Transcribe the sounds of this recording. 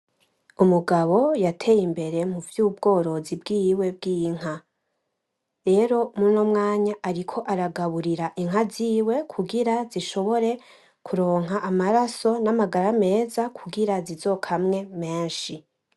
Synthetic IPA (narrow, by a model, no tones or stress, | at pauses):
umuɡaβo̞jatʰe̞jimbe̞ɾe̞m̥uvjuːbɡo̞ːɾo̞zibɡijwe̞b̚ɡiːŋ̥a | ɾe̞ɾo̞munomŋaːɲaʔaɾikʰo̞ʔaɾaɡaβuɾiɾaʔiŋɦaziːwe̞kʰuɡiɾaziʃo̞βo̞ɾe̞ | kʰuɾo̞ːŋ̥ɦaʔamaɾaso̞namaɡaɾame̞ːzakʰuɡiɾazizo̞kʰamŋe̞me̞ːnʃi